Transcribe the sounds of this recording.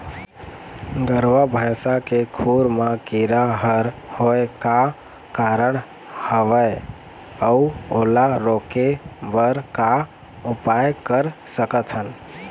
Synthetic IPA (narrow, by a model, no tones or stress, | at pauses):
ɡəɾʋabʱəjsakekʰuɾmakiɾaɦəɾhoeka | kaɾəɳ | həʋəj | əuolaɾokebəɾka | upajkəɾsəkət̪ʰɦən